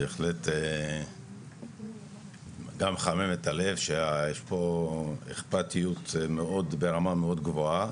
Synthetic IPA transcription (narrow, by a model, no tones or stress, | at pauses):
beeχlet̪e | ɡamχamimet̪alevʃeajeʃpo̞eχpat̪ijut̪meo̞d̪be̞ʁamameo̞d̪ɡvoa